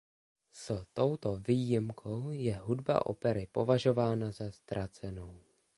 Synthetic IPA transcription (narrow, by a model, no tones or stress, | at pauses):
st̪o̞wt̪o̞viːjɪmkʰo̞wjɛɦudba̰ʔo̞̰pɛɾɪpo̞vaʒo̞vaːnazast̪ɾat͡sɛno̞w